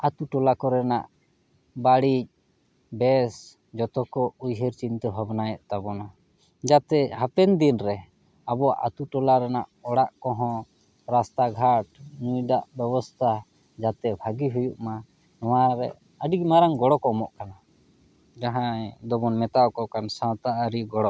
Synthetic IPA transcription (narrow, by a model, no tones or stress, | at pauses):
at̪uʈɔlakɔɾɛnaʔ | baɽic̚ | bɛs | d͡ʒɔt̪ɔkɔujɦɛɾt͡ʃint̪ɛɦɔbnajɛʔt̪abɔna | d͡ʒat̪ɛɦapɛnd̪inɾɛ | abɔaʔa̰t̪uʈɔlaɾɛnaʔɔɽaʔkɔɦɔ̃ | ɾast̪aɡʱaʈnujɖaʔbɛbɔst̪ʰa | d͡ʒat̪ɛbʱaɡiɦujuʔma | nɔwaɾɛ̰ | əɖiɡ̚maɾaŋɡɔɽɔkɔɔmɔʔkana | d͡ʒaɦãd̪ɔbɔnmɛt̪aɔkɔkansãwt̪aʔaɾiɡɔɽɔʔ